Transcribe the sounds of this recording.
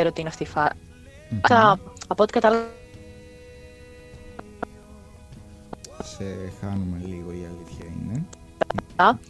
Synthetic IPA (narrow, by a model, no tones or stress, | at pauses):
eɾot̪iineɐft̪ifɐɾ | ɐɐpot̪ikɐt̪ɐl | sexɐnume̞liɣoiɐliθçɐḭne | ɐ